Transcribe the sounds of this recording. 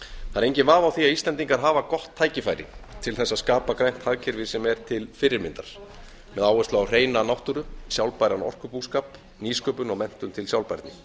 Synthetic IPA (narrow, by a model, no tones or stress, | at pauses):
θaɾejɲcɪnvaːvawθiaðist̪lɛnt̪iŋkaɾ̥ɦaːvakɔht̪ʰːaːjcɪfajɾɪ̰t̪ʰɪlθɛsːaðskaːpakɾajn̥t̪haðcʰɪɾvɪsɛmɛɾ̥t̪ʰɪlfɪrːɪɾmɪnt̪aɾ̥ | mɛðawɛst̪laawr̥eːjnanawht̪ʏɾʏsjawlpajɾanɔ̰r̥kʏpuːskaːp | niːskœːpʏnɔɣmɛn̥t̪ʏnt̪ʰɪljawlpajɾt̪nɪ